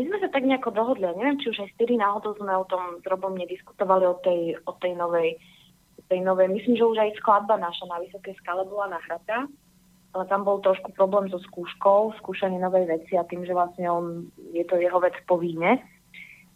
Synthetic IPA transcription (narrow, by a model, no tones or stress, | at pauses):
mizmɛsat̪aɡɲɛakɔd̪ɔɦɔd̪liaɲɛʋjɛmt͡ʃiuʒajft̪iɾinaːɦɔd̪ɔʊzmɛɔt̪ɔmzɾɔbɔmɲɛd̪isku̥t̪ɔʋaliɔt̪ɛjɔt̪ɛjnɔʋɛj | ɔt̪ɛjnɔʋɛjmisliːmʒɛuʒajsklad̪̚banaʃanaʋisɔkɛjskalɛbɔlanaɦɾat̪a | ʔalɛt̪ambɔlt̪ɾɔʃkupɾɔblɛːmzɔskuːʃkɔʊskuːʃaɲɪɛnɔʋɛjʋɛt͡siat̪iːmʒɛʋlasɲɛɔnjɛt̪ɔjɛɦɔʋɛt͡spɔʋiːɲɛ